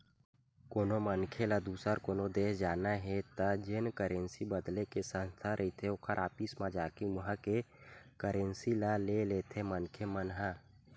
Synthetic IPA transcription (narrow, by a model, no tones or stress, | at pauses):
koːnomənkʰelad̪uːsəɾkoːnod̪eːsd͡ʒaːnaɦɛt̪əd͡ʒɪnkəɾensibəd̪lekesə̃nst̪ʰaɾʔəɦit̪ʰeokʰəɾʔaːpismãd͡ʒaːkimʊɦə̃kekəɾensilaleleːt̪ʰemənkʰemənɦã